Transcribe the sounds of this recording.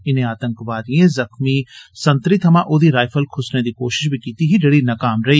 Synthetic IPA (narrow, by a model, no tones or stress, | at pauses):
ɪnẽaːt̪ə̃ŋkʋaːd̪iẽzɐxmisɐ̃nt̪ɾɪt̪ɦɐmãʔoːd̪iɾaːɪfʰəlkʰʊsned̪ikoːʃɪ̥ʃbʱikiːt̪iɦiɖɐɽinɐkaːmɾɐɦiː